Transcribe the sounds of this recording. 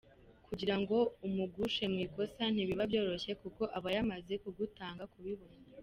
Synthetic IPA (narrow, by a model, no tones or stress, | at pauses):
kuɟiɾaŋɡo̞umuɡuʃe̞mŋiːko̞san̥iβiβabjo̞ːɾo̞çe̞kuko̞ʔaβajamaze̞kuɡutaːŋɡakuβiβonaa